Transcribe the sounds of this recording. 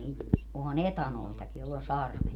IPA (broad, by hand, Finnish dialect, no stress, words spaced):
niːt ohɑn etɑnoitɑki jolː on̞ sɑrʋet